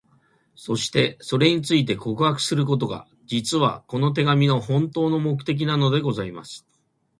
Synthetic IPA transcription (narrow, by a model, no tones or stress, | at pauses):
so̞ɕi̥t̪e̞so̞ɾe̞ɲ̟it͡sɨit̪̬e̞ko̞kɯ̟hakɯ̟̥sɨɾɯ̟k̬o̞t̪̬o̞ɡa̰ | d͡ʑit͡sɨβa̰ko̞no̞t̪̬e̞ɡamʲino̞hõ̞nt̪o̞ːno̞mo̞k̬ɯ̟̥t̪e̞k̬ʲinano̞d̪e̞ɡo̞zaima̰sɨ̥